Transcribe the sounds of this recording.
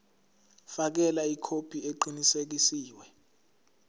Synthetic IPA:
fak̬ɛlaikʰopʰieǃinisek̬isiːwɛ

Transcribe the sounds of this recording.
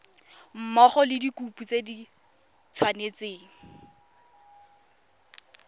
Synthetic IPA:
m̩mɔχɔlɪdikuput͡sedi | t͡sʰwanet͡seːŋ̩

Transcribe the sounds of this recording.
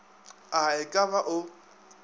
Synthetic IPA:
aɪkʼaβaʔʊ

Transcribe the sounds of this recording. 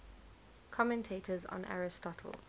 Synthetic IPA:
kʰɔmɛ̃ntʰeːtʰəz̰̃nʔa̰ɹɪstɔtʰə̰lˠ

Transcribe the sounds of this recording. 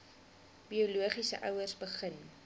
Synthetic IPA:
biuluəχisə̰ʔœwərsbəχən

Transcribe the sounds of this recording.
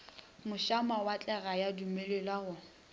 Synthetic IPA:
mʊʃamawat͡ɬʼɛɣajadumelelaɣʊ

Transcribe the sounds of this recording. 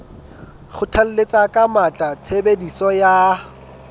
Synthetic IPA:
χʊtʰal̩let͡sakʼamat͡ɬʼat͡sʰebedisɔja

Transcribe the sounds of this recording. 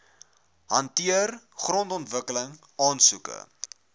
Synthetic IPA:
ɦɐntiər | χrɔntɔntvəkələŋ | ɑːnsukə̰

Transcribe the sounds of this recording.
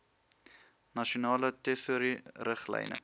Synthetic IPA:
nɐʃonɑːlətefuɾirəχlɛ̰jnə̰

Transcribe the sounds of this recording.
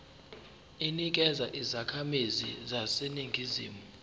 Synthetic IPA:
inik̬ʼɛzaʔizakʰamizḭzaseniŋʱizḭːmu

